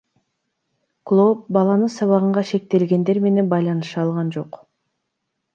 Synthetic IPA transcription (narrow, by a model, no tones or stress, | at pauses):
klˠop̚bɑlˠɑnɯnsɑβɑʁɯɴʁɑʃe̞k̚t̪e̞lɡe̞nd̪e̞ɾme̞ne̞nbɑjlˠɑnɯʃɑlˠʁɑnd͡ʒo̞q